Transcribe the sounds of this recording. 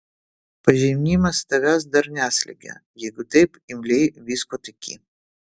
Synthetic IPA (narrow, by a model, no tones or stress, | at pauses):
pɐʒʲɛmʲnʲiːmɐst̪ɐɡɐs̬d̪ɐɾnʲæːsʲlʲɛ̰ɡʲɛ̰jɛɪɡʊt̪ɐɪpɪmʲlʲɛɪʋʲiːskoːt̪ɐkʲʰḭ